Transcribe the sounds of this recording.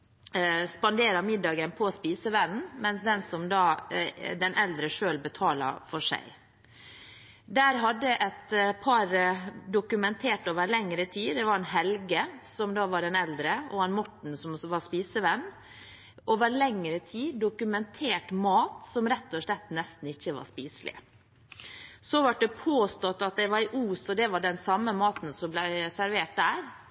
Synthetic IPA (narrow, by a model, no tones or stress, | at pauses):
spɑnd̪eːɾɑmɪd̪ɑːɡənpʰɔspiːsəʋɛnn̩mɛnsd̪ɛnsɔmd̪ɑːd̪ɛnʔɛld̪ɾəʂøːlbət̪ʰɑːlɑ̰fɔʂæ̰ɪ | d̪æːɾɦɑd̪ːəʔɛt̪pʰɑɾd̪ʊkʉmɛnt̪ʰeːʈoːʋəɾlɛŋːɾət̪ʰiːd̪ɛʋɑɾɛnɦɛlɡəsɔmd̪ɑːʋɑɖɛnɛld̪ɾəʔɔɛnmɔʈɳ̩sɔmʋɑspiːsəʋɛnː | ʔoːʋəɾlɛŋːɾət̪ʰiːd̪ʊkʉmɛnt̪ʰeːʈmɑːt̪sɔmɾɛt̪ːɔʂlɛt̪ːnɛst̪n̩ɪçːəʋɑ̰ʂpiːslɪ̰ | sɔʋɑʈ̚d̪ɛpʰoːst̪ɔt̪ːɑt̪̚d̪ɛɪʋɑɾɪʔuːsɔd̪ɛʋɑɖɛnsɑmːəmɑːt̪n̩sɔmblæɪsæɾʋeːʈ̚d̪æːɾ